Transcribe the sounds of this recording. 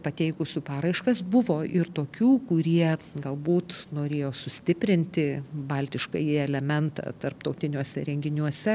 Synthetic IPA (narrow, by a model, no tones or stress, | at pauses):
pɐt̪ʲɛɪkʊsʲʊpɑːɾɐɪʃkɐsbʊʋoːʔɪɾt̪oːkʲuːkʊɾʲiɛɡɐlˠbuːt̪noːɾʲeːjoːsʊsʲt̪ʲɪpʲɾʲɪnʲt̪ʲɪbɐlʲt̪ʲɪʃkɐ̰jɪɛlʲɛmʲɛnt̪ɐ̰ːt̪ɐrpt̪ɐʊt̪ʲɪnʲuɔsʲɛ̰ɾʲɛŋʲɡʲɪnʲuɔsʲɛ